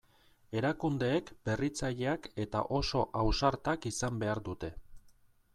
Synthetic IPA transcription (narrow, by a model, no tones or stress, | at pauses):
e̞ɾakund̪e̞ːkbe̞rit͡saʎe̞ake̞t̪a̰ʔo̞so̞ʔawsaɾt̪akisambe̞aɾd̪ut̪e̞